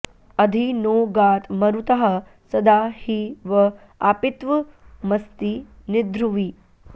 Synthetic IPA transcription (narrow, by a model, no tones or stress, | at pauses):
ɐd̪ʱinoːɡaːt̪mɐɾut̪ɐɦɐ | sɐd̪aːhiʋɐ | a̰ːpit̪ʋɐ | mɐst̪inɪd̪ɾuʋi